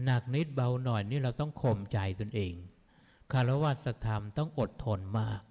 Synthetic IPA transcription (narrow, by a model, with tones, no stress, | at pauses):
na˨˩k̚ni˦˥t̪̚ba˧wnɔ˨˩jniː˥˩ɾa˧wt̪ɔ˥˩ŋkʰo˧mt͡ɕa˧jt̪o˧nʔeː˧ŋ | kʰa˥˩ɾa˦˥waː˧˩t̪̚sa˧t̪ʰa˧mt̪ɔ˥˩ŋʔo˨˩t̪ʰːo˧nmaː˥˩k̚